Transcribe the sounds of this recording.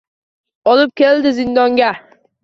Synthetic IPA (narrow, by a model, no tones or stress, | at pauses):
ɒlˠɪp̚kʲe̞ld̪ɪzɪnd̪ɒŋɡʲa